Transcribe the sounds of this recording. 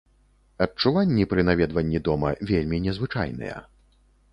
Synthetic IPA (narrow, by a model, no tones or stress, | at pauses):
ɐt͡ʂːuvanʲːipɾɨnavʲɛd̪vɐnʲːid̪ɔmɐvʲelʲmʲinʲɛzvɨt͡ʂa̰jnɨ̰jɛ̰